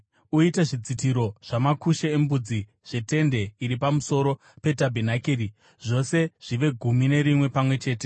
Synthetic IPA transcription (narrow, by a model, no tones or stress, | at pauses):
uitaʐid͡zitiɾo̞ʐ̥amakuʃeembud͡zi | ʐ̥e̞te̞nde̞iɾipamuso̞ɾo̞ | pe̞tabʱinakeɾi | ʐo̞se̞ʐ̥iʋe̞ɡʱumine̞ɾimwe̞pamwe̞t͡ʃe̞ːte̞